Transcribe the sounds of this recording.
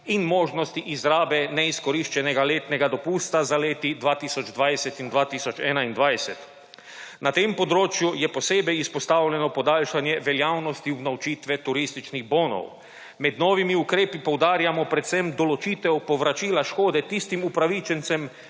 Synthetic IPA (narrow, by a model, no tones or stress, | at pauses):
inmoːʒnɔst̪iʔizɾaːbɛnɛiskɔɾiʃt͡ʃɛnɛɡaleːt̪nɛɡad̪ɔpuːst̪azaleːt̪id̪ʋaːt̪iːsɔd͡ʒd̪ʋajsɛt̪ind̪ʋaːt̪iːsɔt͡ʃɛːnaind̪ʋajsɛt̪ | nat̪eːmpɔd̪ɾoːt͡ʃjujɛposeːbɛjispɔst̪aːwlʲɛnɔpɔd̪aːlʃanjɛʋɛljaːwnɔst̪iubnawt͡ʃiːt̪ʋɛt̪uɾist̪it͡ʃniɣboːnɔ̰w | mɛd̪noːʋimiukɾeːpipɔwd̪aːɾjamɔpɾɛt̪sɛmd̪ɔlɔt͡ʃiːt̪ɛwpɔʋɾat͡ʃilaʃkoːd̪ɛt̪ist̪imupɾaʋit͡ʃɛnt̪sɛm